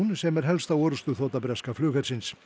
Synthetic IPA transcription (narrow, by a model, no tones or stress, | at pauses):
unsɛmɛɾ̥ɦɛlst̪awɔɾʏst̪ʏθoːt̪apɾɛskaflʏːxɛɾ̥sɪns